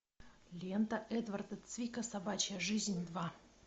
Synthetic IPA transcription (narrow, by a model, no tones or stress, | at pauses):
lʲent̪əʔɛd̪vɐrd̪ət̪svʲikəsɐbat͡ɕəəʐɨzʲnʲd̪va